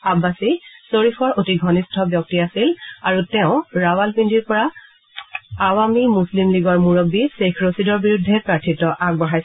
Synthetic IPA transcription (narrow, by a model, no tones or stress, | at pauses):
abasisoɹifʰɔɹotiɡʱɔnistʰɔbjɔk̚tiasilaɹutɛʊ̃ɹawalpindiɹpɔɹa | awamimuslimliɡɔɹmuɹobisekʰɹosidɔɹbiɹudʱːɛpɹaɹtʰitɔʔaɡ̚bɔɦajs